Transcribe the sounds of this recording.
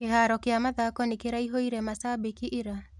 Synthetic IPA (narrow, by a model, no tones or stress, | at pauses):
kehaɾɔkeamaðakɔnikeɾaiɦoiɾɛmasabikiʔiɾa